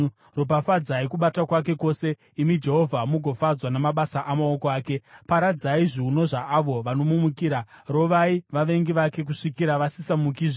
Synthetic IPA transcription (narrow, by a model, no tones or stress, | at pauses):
ro̞p̬afad͡zaikuɓatakwake̞ko̞ːse̞ | imid͡ʒe̞ɦo̞vʱamuɡʱo̞fad͡zwanamaɓasaʔamaokoaːke̞paɾad͡zaiʐiunoʐaʔːʋo̞ʋano̞mumukiːɾa | ro̞ʋaiʋaʋe̞ŋɡiʋake̞k̬uʂikiɾaʋasisamukiːʐe